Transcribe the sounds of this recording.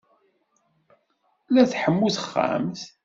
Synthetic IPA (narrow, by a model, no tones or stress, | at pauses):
læθħəmːuθə̥χːa̰mθ